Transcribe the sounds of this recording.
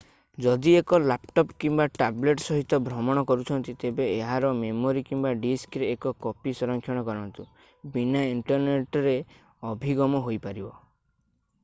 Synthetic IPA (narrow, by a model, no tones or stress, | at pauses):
d͡ʒɔd̪iekɔlapʈɔpkimbaʈableʈsɔɦit̪ɔbʱɾɔmɔɽ̃ɔkɔɾut͡ʃʰɔnt̪it̪ebeːɦaɾɔmemoɾikimbaɖiskɾeːkɔkɔpisɔɾɔŋkʰjɔɽ̃ɔkɔɾɔnt̪u | binaiɳʈɔɾneʈɾe | ɔbʱiɡɔmɔɦojpaɾibɔ